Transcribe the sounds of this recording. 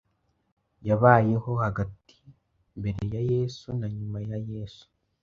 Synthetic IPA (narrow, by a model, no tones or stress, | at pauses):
jaβaːje̞ho̞haɡati̥ | mbe̞ɾe̞jaje̞ːsunaɲumajaje̞ːsu̥